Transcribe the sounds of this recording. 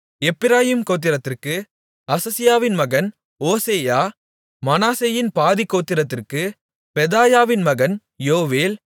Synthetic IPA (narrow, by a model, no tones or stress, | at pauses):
ɛpːɪɾaːjiːmkoːt̪̬ːɪɾɐt̪ːɪrkɯ | ɐsɐsɪjaːʋɪnmɐɣɐn | oːseːjaː | mɐnaːseːjɪnpaːðikːoːt̪ːɪɾɐt̪ːɪrkɯ | pɛðaːjaːʋɪnmɐɣɐn | joːʋeːl